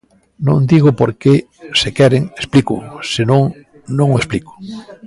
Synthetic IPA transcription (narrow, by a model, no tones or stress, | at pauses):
nõnd̪iɣopoɾke | sekɛɾeŋesplikʊ̰senõŋ | nõŋoesplikʊ̥